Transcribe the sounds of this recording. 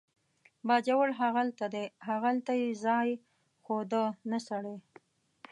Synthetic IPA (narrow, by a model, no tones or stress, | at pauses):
bɑd͡ʒawəɽɦaɣalt̪ad̪eɦaɣalt̪ajezɑj | xod̪ənasaɽe